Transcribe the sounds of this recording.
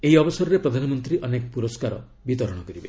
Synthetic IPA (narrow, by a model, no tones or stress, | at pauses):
eɦiɔbɔsɔɾɔɾepɾɔd̪ʱanɔmɔnt̪ɾiʔɔnekɔpuɾɔskaɾɔ̰ | bit̪ɔɾɔɽ̃ɔkɔɾibe